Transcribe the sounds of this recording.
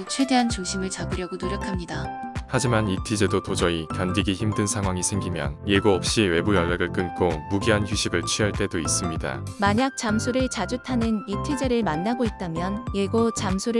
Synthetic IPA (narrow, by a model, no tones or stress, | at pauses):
t͡ɕʰwe̞de̞ɦant͡ɕuŋɕʰimɯɭt͡ɕabɯɾjʌɡonoɾjʌkʰamɲidahad͡ʑimanitʰid͡ʑe̞dotod͡ʑʌikandiɡiçimdɯnsʰaŋɦwaŋisʰe̞ŋɡimjʌ̰njeɡoʌp̚ɕ͈iwe̞bujʌɭːeɡɯɭk͈ɯnk͈omuɡiɦançjuɕʰibɯɭt͡ɕʰɥiɦaɭt͈e̞dois͈ɯmɲida̰maɲak̚t͡ɕ͈amsʰuɾɯɭt͡ɕad͡ʑutʰanɯnitʰid͡ʑe̞ɾɯɭmanːaɡoit̚t͈amjʌnjeɡot͡ɕamsʰuɾɯ